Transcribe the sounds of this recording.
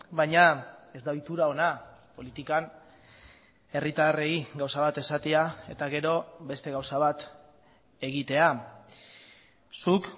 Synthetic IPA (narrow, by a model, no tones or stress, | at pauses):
bajɲae̞zd̪ajt̪uɾao̞napo̞lit̪ikan | e̞rit̪are̞iɡawsaβat̪e̞sat̪eae̞t̪aɣe̞ɾo̞be̞st̪e̞ɣawsaβat̪ | e̞ɣit̪e̞a | suk